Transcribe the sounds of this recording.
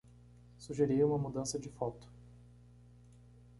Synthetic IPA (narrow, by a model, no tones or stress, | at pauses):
suʒeɾijũmɐmud̪ɐ̃sɐd͡ʒɪfɔt̪ʊ̥